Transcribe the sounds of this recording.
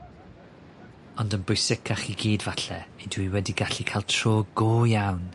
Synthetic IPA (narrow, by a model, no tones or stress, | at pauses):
ɔndənbʊjsɪkʰaχiɡiːdvaɬɛ̰edwiwɛdiɡaɬikʰaːlˠtʰroːɡoːjawn